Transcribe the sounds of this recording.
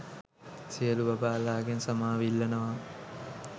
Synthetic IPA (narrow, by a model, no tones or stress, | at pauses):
sijəluʋɐbaːlaːɡensɐmaːʋilːɐnəʋa